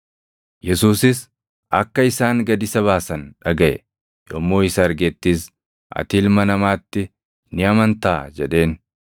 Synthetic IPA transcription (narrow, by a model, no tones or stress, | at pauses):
jɛsuːsɪs | ʔɐkːɐɪsaːŋɡɐd̪ɪsɐβaːsɐnᶑɐɡɐʔɛ̰ | joːmːo̞ːɪsɐːɾɡeːt̪ːiːs | ʔɐ̰t̪iːlmɐnɐmaːt̪ːɪ | nɪɐmɐnt̪aːd͡ʒɛᶑe̞ːn